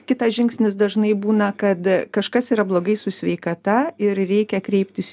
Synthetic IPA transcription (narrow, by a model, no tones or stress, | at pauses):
kʲɪt̪ɐsʒʲɪŋksʲnʲɪsd̪ɐʒnɐɪbuːnɐkɐt̪kɐʃkɐsiːɾɐblˠoːɡɐɪsʊsʲʋʲɛɪkɐt̪ɐɪɾɾʲɛɪkʲɛkɾʲɛɪpʲt̪ʲɪs